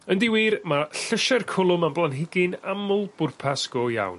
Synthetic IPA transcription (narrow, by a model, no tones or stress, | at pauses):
əndɪwiːrmaɬəʃɛrkʰʊlˠʊmamblˠanɦɪɡɪnamʊlˠb̥ʊrpʰasɡ̥ɔja̰wn